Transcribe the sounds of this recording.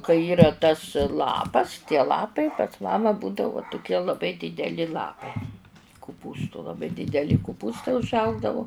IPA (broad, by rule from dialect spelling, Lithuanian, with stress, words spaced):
kɐɪ ˈiːrɐ tɐs ˈlˠɑːpɐs tʲiɛ ˈlˠɑːpɐɪ pɐs ˈmɑːmɐ ˈbuːdɐʋʊ tʊˈkʲiɛ lˠɐˈbɐɪ dʲɪdʲɛˈlʲɪ ˈlˠɑːpɐɪ kʊˈpuːstʊ lˠɐˈbɐɪ dʲɪdʲɛˈlʲɪ kʊˈpuːstɐɪ ʊʒˈɐʊɡdɐʋʊ